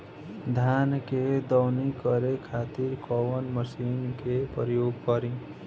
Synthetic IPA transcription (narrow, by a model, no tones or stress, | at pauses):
d̪ʱanked̪ʌwnikʌɾekʰat̪iɾkɔwʌnmʌsinkepɾjoɡ̚kʌɾĩ